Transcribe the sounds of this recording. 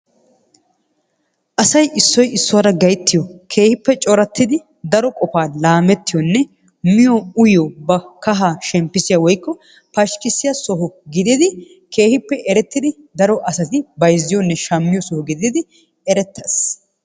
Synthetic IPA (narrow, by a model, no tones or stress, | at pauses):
ʔɐsɐjʔɪsːɔjɪsːʊwaːɾɐɡɐjt̪ːɪjɔkʰe̞ːhɪpːɛt͡ʃʼɔɾɐt̪ːɪd̪ɪ | d̪ɐɾɔkʼɔfaːlaːmɛt̪ːɪjɔnːɛ | mɪjɔʊjɔbɐkɐɦaːʃɛmpːɪsɪjaːwɔjkːɔ | pɐʃkʼːɪsɪjasɔɦʊɡɪd̪ɪd̪ɪ | kʰe̞ːhɪpːɛʔɛɾɛt̪ːɪd̪ɪ | d̪ɐɾɔʔɐsɐt̪ɪbɐjzːɪjɔnːɛʃɐmːɪjɔsɔhʊɡɪd̪ɪd̪ɪ | ɛɾɛt̪ʰːɐs